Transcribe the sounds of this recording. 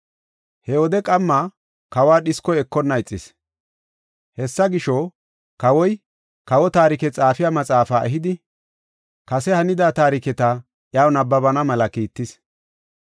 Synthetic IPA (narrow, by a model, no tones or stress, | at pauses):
hɛwɔd̪ɛkʼɐmːa | kɐwaːɗɪskɔɛkːɔnːɐɪt͡sʼːɪs | hɛsːɐɡɪʃɔ | kɐwɔj | kɐwɔt̪aːɾɪkɛt͡sʼaːfɪjamɐt͡sʼaːfaːʔɛɦɪd̪ɪ | kɐsɛhɐnɪd̪aːt̪aːɾɪkɛt̪a | ʔjaːwnɐbːɐbɐnɐmɐlɐkiːt̪ːɪs